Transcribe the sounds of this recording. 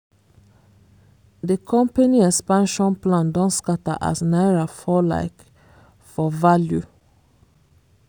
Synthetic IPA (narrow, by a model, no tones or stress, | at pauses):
d̪ekʰɔ̃mpaniːɛspanʃũnpʰlãnd̪ɔnskat̪a̰ʔæ̰snæːɾafɔla̰ɪk | fɔvaljʉ